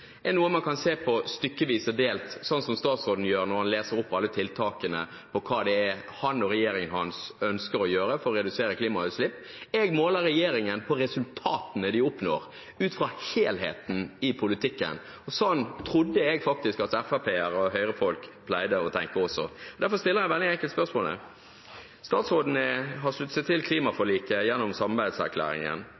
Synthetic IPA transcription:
ɛnuːəmɑnkʰɑnseːpʰɔst̪ʏkːəʋiːsəd̪eːlt̪sɔnsɔmst̪ɑːt̪sɾoːd̪n̩jøːɾnɔɾhɑnleːsəɾʊpːɑlːət̪ʰɪlt̪ʰɑːkənə̰ | pʰɔkʰɑːd̪ɛɛ | hɑnɔɾɛjeːɾɪŋənhɑnsœnskəɾɔjøːɾəfɔɾɔɾɛd̪ʉseːɾəkliːmɑhœslɪpː | ɛɡmoːləɾɛjeːɾɪŋənpʰɔɾɛsʉlt̪ʰɑːt̪ənəd̪ɪʊpno̰ːɾ | ʉːt̪fɾɑːheːlɦḛːt̪n̩ɪpʰʊlɪt̪ʰɪkːə̰n | ɔsɔnːt̪ʰɾʊd̪ːəɛɡfɑk̚t̪ɪskɑt̪ɛfæpʰeːæɾɔɦœʏɾəfɔlkpʰlæɪd̪əɔt̪ʰɛŋkəɔsɔ̰ɔd̪æɾfɔɾst̪ɪlːəɾæɪʋɛld̪ɪɛŋkəlt̪spœʁʂmoːlə̰ | st̪ɑːt̪sʁoːd̪ən̩əɦɑʂlʉt̪ːsət̪ʰːɪlkʰliːmɑfɔliːkəjɛnːʊmsɑmɑbæɪd̪sæ̰ɾkʰlæ̰ːɾɪ̰ŋə̰n

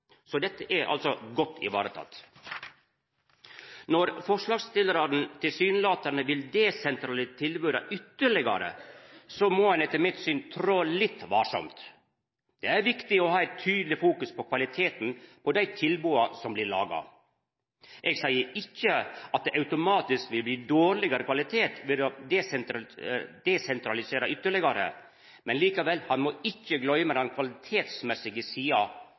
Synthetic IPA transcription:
sɔd̪ɛt̪ːəʔæɾʔɑ̰lsɔɡɔt̪ːɪ̰ʋɑ̰ːɾət̪ʰɑ̰t̪ː | nɔɾfɔʂɭɑːɡst̪ɪləɾɑɾn̩t̪ʰɪlsyːnəlɑːt̪æɳəʋɪld̪eːsɛnt̪ɾɑlɪt̪ʰɪlbøːɾɑ̰ʔʏt̪ːəɭɪɡɑ̰ɾə̰sɔmɔːhɑnɛt̪ːəɾmɪt̪syːnt̪ʰɾoːlɪt̪ːʋɑːʂɔ̰mt̪ | d̪̥ɛæɾʋɪkt̪ɪɔhɑːæɪt̪ʰːyːd̪l̩ɪfuːkʉspʰɔkʰʋɑlɪt̪ʰeːt̪n̩pʰɔd̪æɪt̪ʰɪlbuːɑsɔmblɪɾɭɑ̰ːɡɑ̰ | ʔɛɡsæɪəɪçːəɑt̪̚d̪ɛʔɑʉt̪ʊmɑːt̪ɪskʋɪlbliːd̪oːɾɭɪɡɑɾəkʰʋɑlɪt̪ʰeːt̪ʋɪd̪ɔd̪ɛsɛd̪̥ɛsɛnt̪ɾɑlɪseːɾɑʔʏt̪ːəɭɪɡɑɾə̰ | mɛnliːkɑʋɛlhɑnmɔɪçːəɡlœʏmɛd̪ɑnkʰʋɑlɪt̪ʰeːt̪smɛsɪɡəsiːɑ

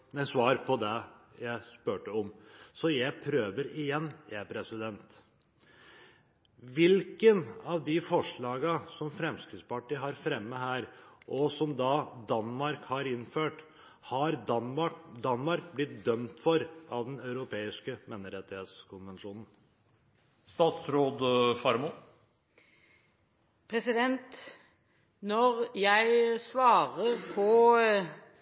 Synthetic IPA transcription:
næɪsʋɑːɾpʰɔd̪ɛjæɪspøːʈəɔmsɔjæɪpʰɾøːʋəɾɪjɛnːjæpʰɾɛsɪd̪ɛnt̪ | ʋɪlkənɑʋd̪ɪfɔʂɭɑːɡəsɔmfɾɛmskɾɪt̪spɑʈiːɦɑɾfɾɛmːəɦæːɾʔɔsɔmd̪ɑd̪ɑnmɑɾkhɑɾɪnːføːʈ | hɑɾ | d̪ɑnmɑɾk̚blɪt̪̚d̪œmt̪fɔɾʔɑʋd̪ɛnɑʉɾʊpʰeːɪskəmeːnəɾɛt̪ːɪheːt̪skʰʊnʋɛnʂuːnn̩ | st̪ɑːt̪sɾoːd̪fɑɾmu | pʰɾɛsɪd̪ɛnt̪ | nɔʁjæɪsʋɑːʁəʁpʰɔ

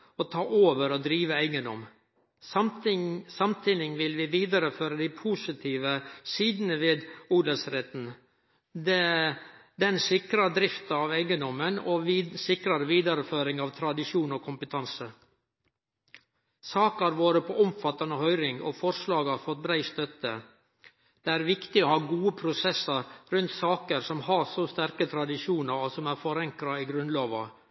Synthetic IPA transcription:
ot̪ʰɑːʔoːʋəɾoːd̪ɾiːʋəæɪɡənd̪ɔ̰m | sɑmt̪ʰiːnɪŋʋɪlʋɪːʋiːd̪ɑɾəføːɾəd̪æɪpʰuːsɪt̪ʰiːʋəsiːd̪nəʋeːd̪uːd̪əlsɾɛt̪n̩ | d̪ | d̪ɛnsɪkɾɑd̪ɾɪft̪ɑɑːʋæɪɡənd̪ɔməno̰ːsɪkɾɑɾəʋiːd̪ɑɾəføːɾɪŋɑʋt̪ʰɾɑd̪ɪʂuːnoːkʰʊmpət̪ʰɑnsə | sɑːkɑɾʋoːɾəpʰɔʔʊmfɑt̪ɑnəɦœʏɾɪŋo̰ːfɔɾslɑːɡɑɾfɔt̪̚bɾæɪst̪œt̪ə | d̪̥ɛæːɾʋɪkt̪ɪohɑːɡuːəpʰɾʊsɛsɑɾɾʉnt̪sɑːkəɾsɔmhɑsost̪æɾkət̪ʰɾɑd̪ɪʂuːnəɾɔsɔmæːɾfɔɾɑŋkɾɑiɡɾʉnlɑːʋɑ

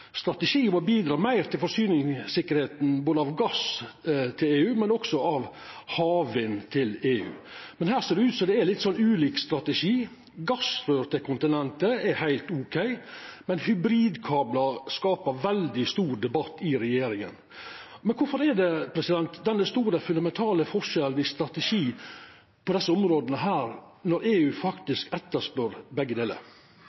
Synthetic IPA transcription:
st̪ɾɑt̪ɛʂiːʊmɔbiːd̪ɾɑːmæɪɾt̪ʰɪlfɔɾsyːnɪŋsɪkːəɾheːt̪n̩boːd̪əɑʋɡɑst̪ʰɪleːʉːmɛnɔksɔɑʋhɑːʋənt̪ʰɪleːʉ̰ːmɛnhæːɾseːd̪ɖɛʉːt̪sɔd̪ɛɛɾlɪt̪ːsɔnːʉːliːkst̪ɾɑt̪ɛʂiː | ɡɑsɾøːɾt̪əkʰʊnt̪ɪnɛnt̪əɛhæɪlt̪ukʰæɪmɛnhʉbɾiːd̪kʰɑːblɑskɑːpəɾʋɛld̪ɪst̪uːɾd̪ɛbɑt̪ːɪɾɛjeːɾɪŋə̰n | mɛnkʰʊɾfɔɾɛɖ̪ɛpʰɾɛsɪd̪ɛnt̪d̪ɛnːəst̪uːɾəfʉnd̪ɑmɛnt̪ʰɑːləfɔʂɛln̩ɪst̪ɾɑt̪ɛʂiː | pʰɔd̪ɛsːəʊmɾoːd̪ənəɦæːɾ | nɔɾeːʉːfɑkt̪ɪskɛt̪ːəspœɾbɛɡːəd̪eːlə̰ɾ

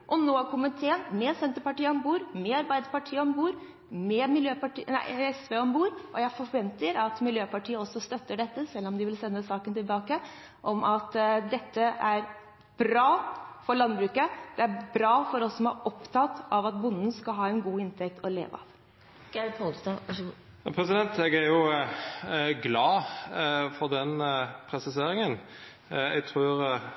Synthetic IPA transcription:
ʔɔnoːkʰʊmːənt̪ʰeːənmɛsɛnt̪əɾpɑʈiːəɔmbuːɾmɛɑɾbæɪd̪əɾpɑʈʰiːəɔmbuːɾ | mɛmɪljøːpɑʈiːnæ̰ɪɛsʋeːɔmbuːɾʔɔjæɪfɔɾʋɛnt̪əɾɑt̪mɪljøːpɑʈʰiːəɔsːɔst̪œt̪ːəɖɛt̪ːəsɛlːɔmd̪ɪʋɪlsɛnːəsɑːkənt̪ɪlbɑːkə | ʔɔmʔɑt̪d̪ɛt̪ːəʔæɾ | b̥ɾɑːfɔɾɭɑnbɾʉːkəd̪̥ɛæɾbɾɑːfɔɾɔsːɔmæɾɔpt̪ʰɑt̪ːɑʋɑt̪̚bʊnːn̩skɑlɦɑːɛnɡuːɪnt̪ʰɛk̚t̪ʰɔlḛːʋəɑ̰ʋ | ɡ̥ɛɔls | pʰɾɛsɪd̪ɛnt̪ɛɡæɾjʊ | ɡlɑː | fɔʁd̪ɛnpʰɾɛsɪseːɾɪŋən | ɛ̰ɡ̚t̪ʰʁʉːɾ

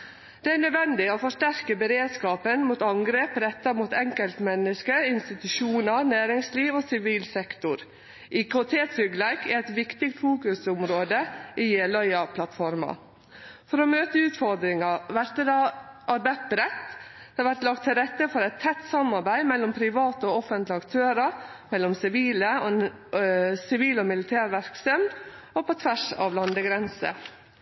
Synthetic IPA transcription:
d̪̥ɛæɳœd̪ʋɛnd̪ɪoːfɔʂʈæɾkəbəɾeːd̪skɑːpənmuːt̪ɑŋɡɾeːpɾɛt̪ːɑmuːt̪ɛŋkəlt̪mɛnːəskəɪnst̪ɪt̪ʉʃuːnəɾnæːɾɪŋsliːʋoːsɪʋiːlsɛkt̪ʊɾ | ʔɪkʊt̪ʰeːt̪sʏɡlæɪkæɾæt̪ʋɪkt̪ɪk̚t̪fuːkʉsʊmɾoːd̪əʔijeːlœʏɑpʰlɑt̪fɔɾmɑ̰ | fɔɾɔmøːt̪əʉːt̪fɔɾd̪ɾɪŋɑʋæɾt̪əd̪ɑʔɑɾbæt̪̚bəɾɛt̪ː | d̪̥ɛʋæɾʈ̪lɑk̚t̪ʰːɪlɾɛt̪ːəfɔɾɛɪt̪ʰːɛt̪ːsɑmɑɾbæɪmɛlːɔmpʰɾɪʋɑːt̪əoːɔfənt̪lɪɑkt̪ʰøːɾɑɾmɛlːɔmsɪʋiːlə | sɪʋiːlɔmɪlɪt̪ʰæːɾʋæɾksœm | oːpɔt̪ʰʋæʂɑ̰ːʋlɑnd̪əɡɾɛnsə̰

